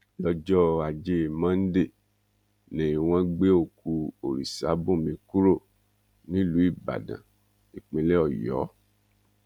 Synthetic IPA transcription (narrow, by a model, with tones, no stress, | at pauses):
lɔ˧d͡ʒɔ˦a˨d͡ʒe˦˨mã˦n̩˦de˦˨ | nẽ˨i˨w̃ã˦ɡ͡be˦o˦˨ku˧o˨ɾi˨sa̰˨˦bũ˦˨mĩ˧ku˦ɾo˦˨ | nĩ˦lu˨˦i˦˨ba̰˨dã̰˨ | i˨k͡pĩ˨˧lɛ˦ɔ˦˨jɔ̰˨˦